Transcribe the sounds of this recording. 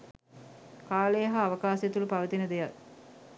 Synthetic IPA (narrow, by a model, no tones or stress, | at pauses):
kaːlejɦaːʋɐkaːsjet̪uləpaʋət̪inəd̪ejal